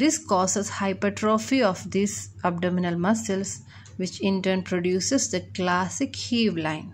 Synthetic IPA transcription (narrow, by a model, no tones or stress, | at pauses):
d̪ɪskɔːsəshaɪpəʈɾoːfiɔfd̪iːs | ab̚ɖɔːmɪnəlmʌsəls | ʋɪt͡ʃɪ̃ɳʈəɾnpɾoɖjuːsesd̪əklæːsɪkhiːʋlãɪ̃n